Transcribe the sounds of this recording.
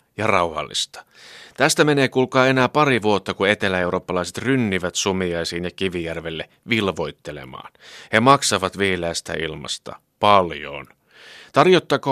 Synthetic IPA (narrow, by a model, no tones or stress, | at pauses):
jɑrɑuhɑ̰lːḭst̪ɑ̥ | t̪æst̪æme̞ne̞ːkulkɑːe̞næːpɑɾiʋuot̪ːɑkue̞t̪elæe̞uwɾo̞ːpːɑlɑiset̪rynːiʋæt̪sumijɑjsiːnjɑkiʋijærʋelːe | ʋilʋojt̪ːelḛmɑ̰ːnhemɑksɑʋɑt̪ʋiːleæːst̪æ̰ḭlmɑ̰st̪ɑ̰ | pɑljo̰ːn | t̪ɑrjot̪ːɑko